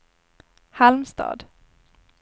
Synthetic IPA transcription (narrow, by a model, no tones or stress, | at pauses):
halmst̪ɑ̰ːd̪